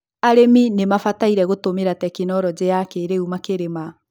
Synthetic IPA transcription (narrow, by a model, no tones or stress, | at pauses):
aɾeminemafataiɾɛɣotomeɾatɛkinɔɾɔd͡ʑejakeːɾeumakeɾema